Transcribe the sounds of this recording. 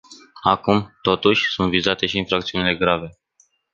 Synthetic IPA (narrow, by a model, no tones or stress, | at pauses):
akumt̪o̞t̪uʃʲsunt̪vizat̪e̞ʃiːnfɾakt̪siunile̞ɡɾave̞